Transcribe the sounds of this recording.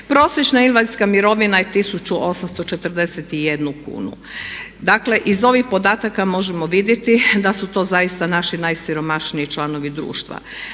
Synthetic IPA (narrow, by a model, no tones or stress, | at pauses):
pɾo̞ːsjet͡ʃnainʋaziskamiɾo̞ʋinajet̪isut͡ʃuʔo̞samst̪o̞t͡ʃet̪r̩d̪eset̪ijed̪nukṵːnṵ | d̪akle̞ʔizo̞ʋixpo̞d̪aːt̪akamo̞ʒemo̞ʋid̪jet̪id̪asut̪o̞ːzajist̪anaʃinajsiɾo̞maʃniit͡ʃlˠano̞ʋid̪ɾṵːʃt̪ʋa̰